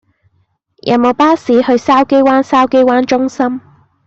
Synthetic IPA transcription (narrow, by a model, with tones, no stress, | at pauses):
jʔɐ̰˨˩wmo˨˧wpaː˥siː˨˥hɵ˧ɥsaː˥wke˥jwaː˥nsaː˥wke˥jwaː˥nt͡ʃʊ˥ŋsɐ˥m